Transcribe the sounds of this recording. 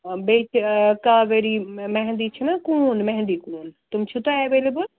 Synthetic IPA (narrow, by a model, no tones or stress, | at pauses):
bet͡ʃʰkaːʋeɾimɛɦnd̪it͡ʃʰimãkuːnmɛ̃ɦɛ̃nd̪ikuːnt̪ʊmt͡ʃʰut̪oeʋeːlebəl